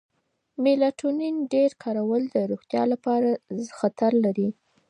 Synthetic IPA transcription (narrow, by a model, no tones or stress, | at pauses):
mɪlaʈʰuninɖeɾkʰɑɾawəld̪əɾoɣt̪jɑ̰lapɑɾaxat̪aɾlaɾi